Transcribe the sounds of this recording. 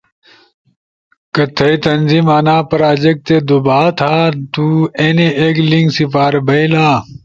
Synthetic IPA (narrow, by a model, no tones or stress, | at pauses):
kɐt̪ʰɐit̪ɐnzimaːnaːpɾaːd͡ʑek̚t̪ed̪ubaːt̪ʰaːt̪uːeneeːkliŋɡsipaːɾbɐilaː